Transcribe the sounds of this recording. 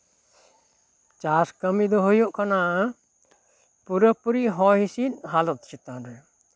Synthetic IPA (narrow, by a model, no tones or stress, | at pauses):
t͡ʃaskəmid̪ɔɦojuʔkana | puɾəpuɾiʔɦɔɦisit̪ɦalɔt̪̚t͡ʃʰit̪anɾɛ